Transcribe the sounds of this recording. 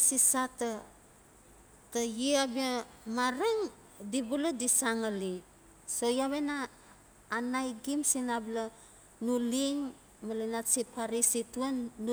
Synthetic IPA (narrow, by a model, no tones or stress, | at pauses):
sisata | tajiabiamaɾeŋ | dibuladisaŋali | sojaβenaː | najɡimsinabla | nuliŋ | malinatsipʰaɾisituenːu